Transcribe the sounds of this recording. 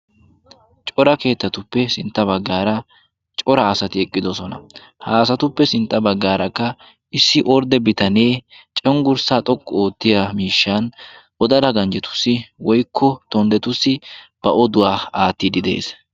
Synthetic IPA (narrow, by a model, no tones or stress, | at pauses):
t͡ʃʼɔɾɐke̞ːt̪ːɐt̪ʊpːɛsɪnt̪ʼːɐbɐɡːaːɾɐ | t͡ʃʼɔɾɐːsɐt̪ɪɛkʼːɪd̪ɔsɔnɐ̰ | haːsɐt̪ʊpːɛsɪnt̪ʼːɐbɐɡːaːɾɐkːɐ | ɪsːɪʔɔɾd̪ɛbɪt̪ɐneːt͡ʃʼɛŋɡʊɾsaːt̪ʼɔkʼːɔo̞ːt̪ːɪjɐmiːʃːan | ɔd̪ɐd̪ɐɡɐnd͡ʒɛt̪ʊ̥sːɪwɔjkːɔt̪ɔnd̪ɛt̪ʊsːɪb̥ɐʔɔd̪ʊwaːaːt̪ːid̪ɪd̪e̞̰ːs